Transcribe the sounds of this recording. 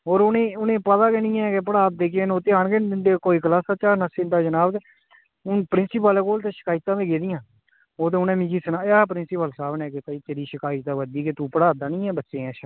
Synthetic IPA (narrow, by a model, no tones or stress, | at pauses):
oːɾʊnẽːʊnẽːpət̪aːkenĩːɛ̃ːkep̬əɽaːt̪̚d̪eːkenoːt̪eːaːɳɡend̪ɪd̪eːkoːiːkəlaːsaːt͡ʃaːnasɪ̃nd̪aːd͡ʒənaːbt̪ː | ʊnpəɾɪnsɪːpəleːkoːlt̪eːʃɪ̥kaːɪt̪ːãːʋẽːɡeːd̪ɪjãː | oːt̪eːʊnẽːmɪ̃d͡ʒiːsənaːaːpɾɪnsɪpəlsaːbnɛːket̪ːiːt̪eːɾiːʃəkaːɪt̪ːãːʋəd̪iːket̪uːpəɽaːt̪̚aːnĩːɛ̃ːbətːʃẽːɛ̃ːʃ